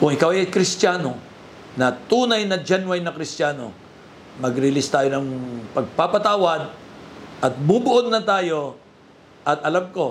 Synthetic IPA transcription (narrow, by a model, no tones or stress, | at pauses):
kʊŋʔɪkawɐjkɾɪst̪jaːno̞ | nɐt̪uːnɐjnɐd͡ʒɛnwɐjnɐkɾɪstaːno̞̰ | mɐɡɾɪlɪst̪aːjonɐŋpɐɡ̚papɐt̪aːwɐd̪̚ʔɐt̪̚mubʊʔod̪̚nɐt̪aːjo̞ | ʔɐt̪̚ɐlamko̞